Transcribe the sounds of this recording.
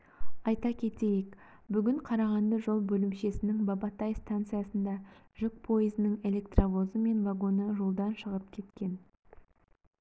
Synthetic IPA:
ɑjt̪ɑkʲʰe̞t̪e̞jek | bʏɡʲɪɴqʰɑɾɑʁɑnd̪əʒo̞lˠbɵlɪmʃe̞sɪnɪŋbɑbɑt̪ɑjst̪ant̪sɨjasənd̪ɑʒɪk̚pʰo̞jizɪnəŋe̞le̞kt̪ravo̞zəme̞nvaɡo̞nəʒo̞lˠd̪ɑnʃəʁəp̚kʲʰe̞t̪kʲe̞n

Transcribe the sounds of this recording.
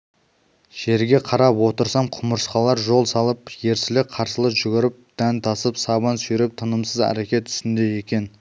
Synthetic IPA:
ʒ̥e̞ɾɡʲe̞qʰɑɾɑpwo̞t̪əɾsɑmqʰʊməɾsqɑlˠɑɾʒo̞lˠsɑlˠəpje̞ɾsɪlɪk̚qʰɑɾsəlˠəʒʏɡʲɪɾɪp̚d̪̥ænt̪ʰɑsəpsɑβɑnsʏɾɪp̚t̪ʰənəmsəzæ̰ɾekʲe̞t̪ʰʏ̥st̪ɪnd̪e̞je̞kʲe̞n

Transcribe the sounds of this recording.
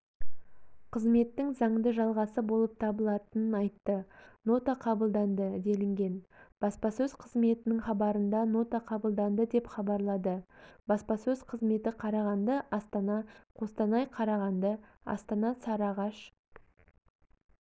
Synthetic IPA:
qʰəzme̞t̪ːɪŋzɑɴd̪əʒɑlˠʁɑsəbo̞lˠəp̚t̪ʰɑbəlˠɑt̪ənənɑjt̪ːəno̞t̪aqʰɑbəlˠd̪ɑnd̪əd̪e̞lɪŋɡʲe̞nb̥ɑspɑsɵzqʰəzme̞t̪ɪnɪŋχɑbɑɾənd̪ɑno̞t̪ɑqʰɑbəlˠd̪ɑnd̪əd̪e̞pχɑbɑɾlˠɑd̪əbɑspɑsɵzqʰəzme̞t̪ɪqʰɑɾɑʁɑnd̪əʔɑst̪ɑnɑqʰo̞st̪ɑnɑjqʰɑɾɑʁɑnd̪ə | ɑ̰st̪ɑnɑsɑɾɑʁɑʃ

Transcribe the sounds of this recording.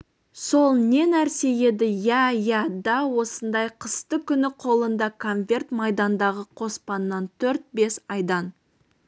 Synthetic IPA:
so̞lˠne̞næɾse̞je̞d̪ɪjæjæd̪ɑwo̞sənd̪ɑjqʰəst̪əkʲʰʏnɪqʰo̞lˠənd̪ɑkʰo̞nvʲe̞rt̪mɑjd̪ɑnd̪ɑʁəqʰo̞spɑnːɑnt̪ʰɵɾt̪̚be̞sɑjd̪ɑn

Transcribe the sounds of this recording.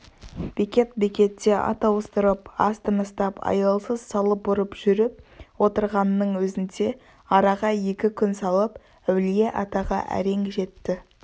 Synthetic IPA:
b̥ekʲe̞t̪̚bekʲe̞t̪ːe̞ʔɑ̰t̪ɑwəst̪əɾəpɑ̰st̪ənəst̪ɑpɑ̰jɑlˠsəzsɑlˠəp̚bʊɾəpʒ̥ʏɾɪp̚wo̞t̪əɾʁɑnːəɴwɵzɪnd̪e̞ | ɑɾɑʁɑje̞kʲɪkʲʰʏnsɑlˠəp | æwlijeʔɑt̪ɑʁɑ̰ʔæ̰ɾe̞ŋʒe̞t̪ːɪ

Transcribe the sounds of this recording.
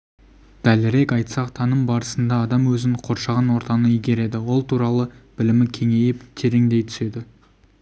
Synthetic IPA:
d̪̥ælɪɾe̞kɑjt̪sɑqt̪ʰɑnəmbɑɾəsənd̪ɑːd̪ɑmwɵzɪŋqʰo̞ɾʃɑʁɑnwo̞ɾt̪ɑnəijɡʲe̞ɾe̞d̪ɪwo̞lˠt̪ʰuɾɑlˠəb̥ɪlɪmɪkʲʰe̞ŋe̞jɪpt̪ʰe̞ɾe̞ŋd̪e̞jt̪ʰʏ̥se̞d̪ɪ

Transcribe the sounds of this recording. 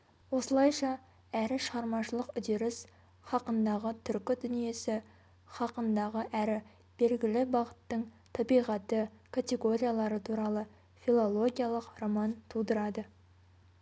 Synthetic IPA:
wo̞səlˠɑjʃɑ | æɾɪʃəʁɑɾmɑʃəlˠəqʏd̪ɪɾɪs | χɑqənd̪ɑʁət̪ʰʏɾkʲɪd̪ʏnije̞sɪ | χɑqənd̪ɑʁəʔæɾɪ | b̥e̞lɡʲɪlɪbɑʁət̪ːəɴ | t̪ʰɑbijʁɑt̪ːəkʰat̪ʲe̞ɡo̞ɾʲijalˠɑɾət̪ʰuɾɑlˠə | filˠolˠo̞ɡʲijalˠəqro̞mɑnt̪ʰud̪əɾɑd̪ə

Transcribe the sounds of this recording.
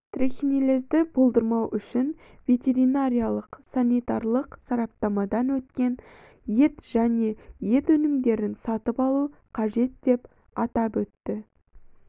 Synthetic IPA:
t̪rexʲinilezd̪ɪbo̞lˠd̪əɾmɑwʔʏʃɪn | vʲe̞t̪ʲe̞ɾinaɾʲijalˠəqsanʲit̪ɑrlˠəqsɑɾɑp̚t̪ɑmɑd̪ɑnwɵt̪kʲe̞n | je̞t̪ʒ̥æne̞je̞t̪ɵnɪmd̪e̞ɾɪnsɑt̪əpɑlˠu | qʰɑʒe̞t̪d̪e̞p | ɑt̪ɑpɵt̪ːɪ

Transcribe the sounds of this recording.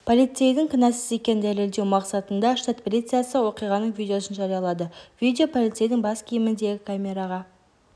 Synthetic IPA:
pʰolʲˠit̪sejd̪ɪŋkʰʲənɑsɪze̞kʲe̞nɪd̪æle̞ld̪ewmɑqsɑt̪ənd̪ɑʃt̪at̪pelʲit̪sɨjasəwo̞qijʁɑnəɴvʲijd̪ʲeo̞sənʒɑɾijɑlˠɑd̪əvid̪ʲeo̞pʰolˠit̪sejd̪ɪŋbɑskʲʰijɪmɪnd̪e̞ɡʲɪkʰamʲe̞ɾaʁɑ

